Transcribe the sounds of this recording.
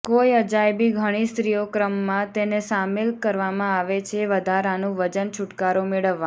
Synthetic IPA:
kojəd͡ʒajbiɡʱəɽ̃ist̪ɾijokɾəmːãt̪enesamelkəɾʋamãaʋet͡ʃʰeʋəd̪ʱaɾanũʋəd͡ʒənt͡ʃʰʊʈkaɾomeɭəʋːã

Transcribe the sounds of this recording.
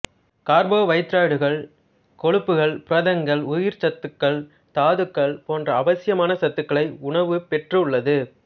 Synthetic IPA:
kaːɾboːʋɐɪt̪ːɾaːɽɯɣɐɭ | kɔɻɯpːɯɣɐɭpɪɾɐðɐŋɡɐɭʊjɪɾt͡ʃɐt̪ːɯkːɐɭ | t̪aːðɯkːɐɭpoːndrɐːʋɐsɪjɐmaːnɐsɐt̪ːɯkːɐɭɐɪʊɳɐʋɯpɛʈrɯʊɭːɐðɯ

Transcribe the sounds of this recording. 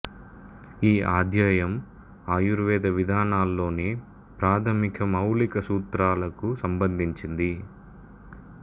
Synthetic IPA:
iːaːd̪ʱjaːjɐm | aːjuɾʋɛːd̪ɐʋid̪ʱaːnaːlːo̞ːneː | pɾaːt̪ʰɐmikɐmɐwlikɐsuːt̪ɾaːlɐkusɐmbɐnd̪ʱiɲt͡ʃind̪i

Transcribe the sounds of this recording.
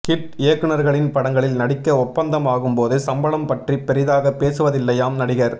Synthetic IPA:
kɪʈɪjɐkːɯnɐɾɣɐɭɪnpɐɽɐŋɡɐɭɪlnɐɽɪkːɐɔpːɐnd̪ɐmaːɣɯmpoːðɯsɐmbɐlɐmpɐʈripːɛɾɪðaːɣɐpːeːsɯʋɐðɪlːɐjaːmnɐɽɪɣɐɾ

